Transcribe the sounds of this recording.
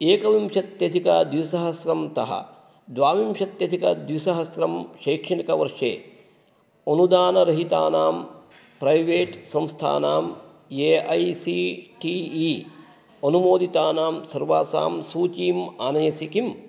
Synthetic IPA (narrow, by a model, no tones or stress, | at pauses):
eːkɐʋimʃɐt̪jɐd̪ʱikɐd̪ʋisɐɦɐsɾɐmt̪ɐɦɐ̰ | d̪ʋaːmimʃɐt̪jɐd̪ʱikɐd̪ʋisɐɦɐsɾɐmʃɐjːkʂɐɳikɐʋɐɾʂḛː | onud̪aːnɐɾɐɦit̪a̰ːnaːm | pɾɐjʋeːʈsɐmst̪ʰa̰ːnaːm | eːɐjsiʈiːi | ɐnumoːd̪it̪aːnaːmsɐɾʋaːsa̰ːmsuːt͡ʃiːmaːnɐjɐsikim